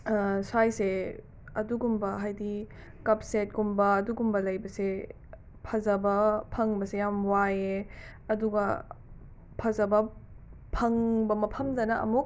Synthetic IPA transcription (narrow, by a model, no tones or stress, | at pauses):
sajse | ɐduɡumbɐɦajdi | kɐp̚set̚ɡumbɐːduɡumbɐlɐjbɐse | pʰɐzɐbɐpʰɐŋbɐsejamwaje | ɐduɡɐ | pʰɐzɐbɐpʰɐŋbɐmɐpʰɐmdɐnɐɐ̰muk̚